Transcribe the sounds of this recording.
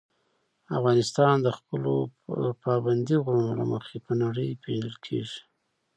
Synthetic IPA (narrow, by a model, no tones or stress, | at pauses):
afɣɑnɪst̪ɑnd̪əxpəlopɑband̪iɣɾunola̰məxepənaɽəjpeləlkʰḛʐi̥